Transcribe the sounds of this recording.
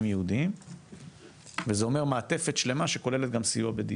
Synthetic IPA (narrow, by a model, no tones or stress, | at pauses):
mjeud̪im | vezeo̞me̞ʁmaːt̪e̞fe̞tʃle̞maʃeko̞lele̞t̪̚ɡamsijuabed̪i